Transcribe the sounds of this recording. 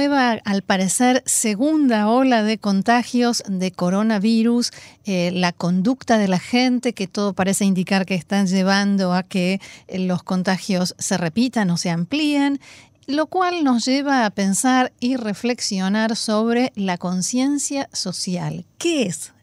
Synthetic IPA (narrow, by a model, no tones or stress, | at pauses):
eβaalpaɾeseɾseɣund̪ao̞laðeko̞nt̪axjo̞zðeko̞ɾo̞naβiɾuslako̞nd̪ukt̪aðe̞laxent̪e̞ket̪o̞ðo̞paɾeseind̪ikaɾkeːst̪anʒeβ̞and̪o̞akelo̞sko̞nt̪axjo̞sːe̞re̞pit̪ano̞se̞amplien | lo̞kwalno̞sʒeβ̞aːpe̞nsaɾirefle̞ksjo̞naɾso̞β̞ɾe̞lako̞nsje̞nsjaso̞sja̰lkees